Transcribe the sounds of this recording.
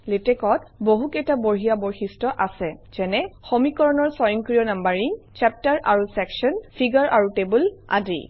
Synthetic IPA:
letɛkɔt̚boɦukejtaboɹɦijabɔɹxistɔʔasɛz̥ɛnɛxomikɔɹɔnɔɹsɔjɔŋkɹijɔnambaɹiŋt͡ʃɛp̚taɹʔaɹusɛksɔnpʰiɡɔɹʔaɹutebulʔa̰dḭ

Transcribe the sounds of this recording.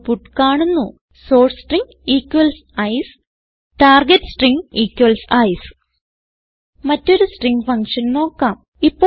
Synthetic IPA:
puʈːkaːɳunːu | soːrssʈriŋɡ | iːkːwɐls | ɐjsɨ̥ | ʈaːrɡeʈːsʈriŋɡiːkːwɐlsɐjsɨ̥ | mɐtːo̞ɾusʈriŋɡɨfɐŋkʂɐnno̞ːkːaːm | ipːo

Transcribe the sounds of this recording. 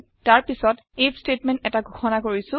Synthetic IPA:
taɹpisɔt | ejstetmɛ̃ntɛtaɡʱoxɔnakoɹisʊ̃

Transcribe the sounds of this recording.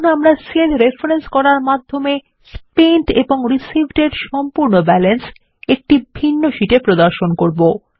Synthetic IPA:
noamɾaselɾefaɾenskɔɾaɾmad̪ʱːome | spenʈḛboŋɾisibʱʈeɖʃɔmpuɾnobɛlens | ek̚ʈibʱinːoʃiʈepɾod̪aɾʃonkoɾbo

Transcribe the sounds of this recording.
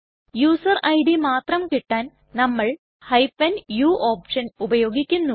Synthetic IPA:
juːsɐrɐjɽimaːt̪rɐmkiʈːaːn | nɐmːɐɭ | hɐjpːɐnjuːʔoːpʂɐnubɐjo̞ːɡikʲːunːu

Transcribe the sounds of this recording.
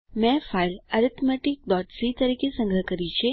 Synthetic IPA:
mɛ̃failəɾɪt̪meʈik̚ɖɔʈsit̪əɾikesə̃ŋɡɾəkəɾit͡ʃʰe

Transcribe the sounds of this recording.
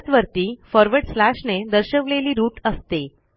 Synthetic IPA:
t͡sʋəɾt̪iːfəɾʋəɽɖslæɕned̪əɾɕəkleliːɾuːʈəst̪e

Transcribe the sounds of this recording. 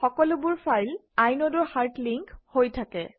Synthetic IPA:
xɔkɔlʊbʊɹpʰajl | ajnɔdʊɹxaɹtliŋkhojtʰakɛ

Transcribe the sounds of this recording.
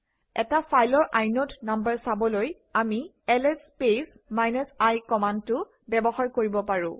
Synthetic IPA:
ɛtafʰajlɔɹʔajnɔtnambəɹsabɔloj | ami | ɛlɛspes | majnɔsajkɔmandtʊ | bɛbɔxaɹkoɹibɔpaɹʊ̃

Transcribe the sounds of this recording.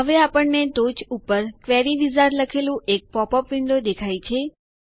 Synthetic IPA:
ɦəʋeapəɳnet̪ot͡ʃupəɾkʋɛɾiʋizaɾləkʰelũek̚pɔpəpʋɪnd̪od̪ekʰajt͡ʃʰe

